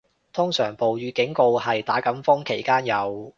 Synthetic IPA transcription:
t̪ʰʊ˥ŋsœː˨˩ŋpo˨wjyː˨˧kɪ˨˥ŋko˧whɐ˨jt̪aː˨˥kɐ˨˥mfʊ˥ŋkʰe˨˩jkaː˥njɐ˨˧w

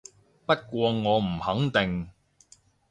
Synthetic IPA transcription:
pɐ˥t̚kʷɔː˧ŋɔː˨˧m̩˨˩hɐ˨˥ŋt̪ɪ˨ŋ

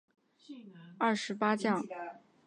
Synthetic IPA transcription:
ɐ˥˩ʂɻ̩˧˥pa˥t͡ɕjɑ˥˩ŋ

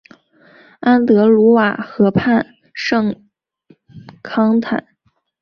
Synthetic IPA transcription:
a˥nt̪ɤ˧˥lu˧˥wa˨˩xɤ˧˥pʰa˥˩n | ʂɤ˥˩ŋ | kʰɑ˥ŋt̪ʰa̰˨˩˦

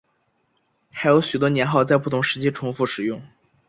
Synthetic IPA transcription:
xa˧˥ɪjo˧˥ʊɕy˨˩t̪wɔ˥njɛ˧˥nxɑ˥˧ʊt͡sa˥˧ɪpu˥˩t̪ʰʊ˧˥ŋʂɻ̩˧˥t͡ɕi˥˩ʈ͡ʂʰʊ˧˥ŋfu˥˩ʂɻ̩˨˩jʊ˥˩ŋ

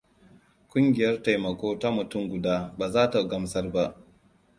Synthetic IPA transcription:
kʷʊ˦ŋɡʲɪ˨jɐ˦rta˨jmɐ˨kʷoː˦ta˦mʊ˨tʊ˦˨ŋɡʷʊ˨daː˦baː˨zaː˦ta˨ɡɐ˦msɐ˦rba˦ʔ

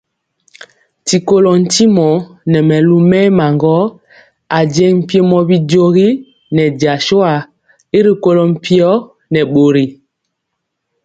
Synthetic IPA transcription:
ti˨ko˦lɔ˨n̩˦ti˦mɔ˨˦nɛ˨mɛ˨lu˦mɛ˦ma˨ŋɡɔ˦ | a˨d͡ʒɛ˦ŋm̩˨pjɔ˦mɔ˨bi˦d͡ʒo˦ɣi˦ | nɛ˨d͡ʒa˨ʃo˦a˨ | i˦ɾi˨ko˦lɔ˨m̩˦pi˦ɔ˦ | nɛ˨ɓo˨ɾi˨

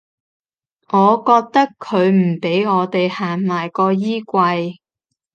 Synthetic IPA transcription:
ŋɔː˨˧kɔː˧k̚t̪ɐ˥kʰːɵ˨˧ɥm̩˨˩pe˨˥jŋɔː˨˧t̪e˨jhaː˨˩ŋmaː˨˩jkɔː˧jiː˥kʷɐ˧j

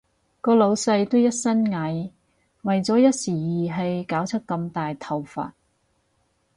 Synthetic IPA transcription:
kɔː˧lo˨˧wsɐ˧jt̪o˥wjɐ˥t̚sɐ˥nŋɐ˨˥j | wɐ˨jt͡sɔː˨˥jɐ˥t̚siː˨˩jiː˨˩ɦɐ˨jkaː˨˥wt͡sʰɐ˥t̚kːɐ˧mt̪aː˨jt̪ʰɐ˨wfa̰ː˨t̚

